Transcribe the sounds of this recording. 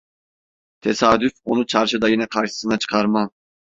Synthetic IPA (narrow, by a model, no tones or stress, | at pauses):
t̪ʰesaːd̪yfo̞nut͡ʃʰaɾʃɯd̪ajinɛkʰaɾʃɯ̥sɯnat͡ʃʰɯ̥kʰaɾma